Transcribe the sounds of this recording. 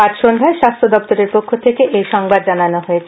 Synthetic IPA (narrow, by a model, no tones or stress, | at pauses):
aɾʃond̪ʱaeʃast̪ʰod̪ɔpt̪oɾeɾpokʰːot̪ʰekeʔejʃɔŋbad̪̚d͡ʑananoɦoet͡ɕʰ